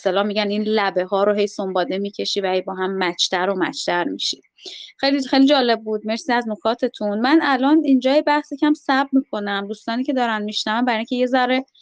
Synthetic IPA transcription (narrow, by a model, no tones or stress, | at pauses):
est̪elɒːhmiːɡɟæniːnlæbe̞ɦɒːɾoɦe̞jsombɒːd̪emiːcʰe̞ʃiːvæhejbɒːɦæmːæt͡ʃʰt̪ʰæɾomæ̰t͡ʃʰt̪ʰæɾmiʃi̥d̪̥xejlixejlid͡ʒɒːle̞b̚ːuːd̪̚me̞ɾsiːæzno̞kʰɒːt̪ʰe̞t̪ʰunmænælɒːnind͡ʒɒːjebæhsicʰæmsæb̚miːkʰo̞næmd̪uːst̪ɒːniːcʰʲe̞d̪ɒːɾænmiʃnævæmbæɾiːiŋcʰe̞je̞zæɾe